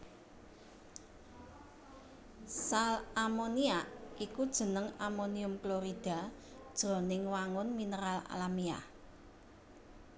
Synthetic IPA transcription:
salamoniaʔikud̥ʒ̥ə̤nəŋamoniʊmkloɾid̥a̤ | d̥ʒ̥o̤nɪŋwaŋʊnminəɾala̰lamia̰

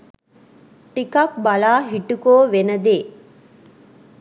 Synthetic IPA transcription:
ʈikɐk̚bɐlaːɦiʈukoːʋenəd̪eː

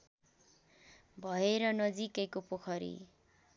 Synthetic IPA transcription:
bʱʌeɾʌnʌd͡zikʌjkopokʰʌɾḭ

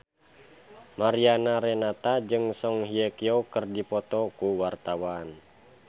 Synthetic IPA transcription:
maɾianaɾɛnat̪ad͡ʒɨŋsɔŋɦiekiokərdipɔt̪ɔkuwart̪awan

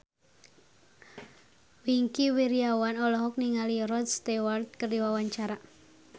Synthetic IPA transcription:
wiŋkiwiɾiawanɔlɔɦɔk̚niŋaliɾɔd̪̚st̪ewart̪̚kərdiwawaɲt͡ʃaɾa

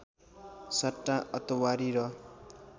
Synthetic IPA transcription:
sʌʈːãʔʌt̪ʌwaɾiɾʌ

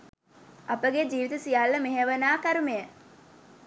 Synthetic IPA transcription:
apəɡed͡ʒiːʋit̪əsijalːəmeɦeʋənaːkaɾumejə

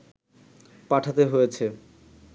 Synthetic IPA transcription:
paʈʰat̪eɦojet͡ɕʰe

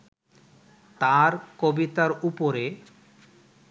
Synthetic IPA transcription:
t̪aɾkobit̪aɾupoɾe

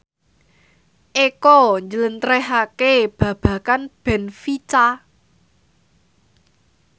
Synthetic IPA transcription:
ʔekɔɲd͡ʒələnt̪əɾɛɦakeb̥ä̤b̥ä̤kanb̥ɛ̤nfit͡ʃa

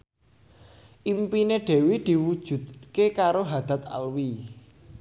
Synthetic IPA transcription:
ʔimpineɖ̪̥e̤wid̪̥i̤wud̥ʒ̥ṳd̪̚kekaɾoɦad̪̥a̤t̪a̰lwi

